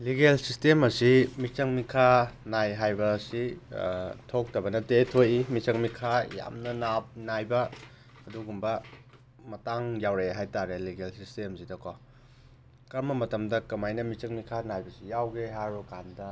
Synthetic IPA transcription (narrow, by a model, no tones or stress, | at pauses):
liɡelsistemɐsimit͡ʃɐŋmikʰanajɦajbɐsi | tʰok̚tɐbɐnɐtetʰojimit͡ʃɐŋmikʰaja̰mnɐnap̚najbɐː | duɡumbɐ | mɐtaŋjawɾejaɦajtaɾeliɡelsistemsidɐkɔ | kɐɾmɐmɐtɐmdɐkɐmajnɐmit͡ʃɐŋmikʰanajbɐsijawɡeɦaɾukandɐ